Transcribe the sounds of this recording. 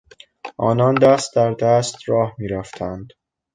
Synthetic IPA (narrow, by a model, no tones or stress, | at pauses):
ʔɒːnɒːnd̪æst̪̚d̪æɾd̪æst̪ɾɒːhmiːɾæft̪ʰænd̪̥